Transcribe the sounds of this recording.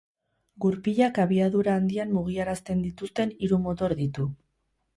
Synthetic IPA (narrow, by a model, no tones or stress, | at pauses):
ɡuɾpiʎakaβiaðuɾaːnd̪iammuɣ̞iaɾast̪e̞nd̪it̪ust̪e̞niɾumo̞t̪o̞ɾðit̪u